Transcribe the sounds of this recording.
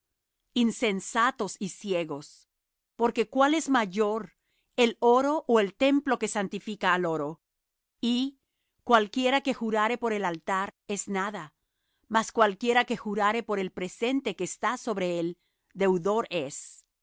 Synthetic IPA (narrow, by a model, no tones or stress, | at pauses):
inse̞nsat̪o̞sisje̞ɣo̞s | po̞ɾke̞kwale̞zmaʝo̞ɾ | elo̞ɾo̞ʔoe̞lt̪e̞mplo̞ke̞sant̪ifikaːlo̞ɾo̞ | i | kwalkje̞ɾake̞xuɾaɾe̞po̞ɾe̞lalt̪aɾe̞znaða | maskwalkje̞ɾake̞xuɾaɾe̞po̞ɾe̞lpɾe̞se̞nt̪e̞ke̞ːst̪aso̞βɾe̞el | d̪e̞wðo̞ɾe̞s